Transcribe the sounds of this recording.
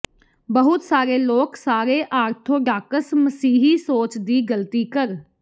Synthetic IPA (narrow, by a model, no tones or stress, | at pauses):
bəɦʊt̪saːɾeːloːksaːɾeːʔaːɾt̪ʰõːɖaːkəsməsiːɦiːsoːt͡ʃd̪iːɡəlt̪iːkəɾ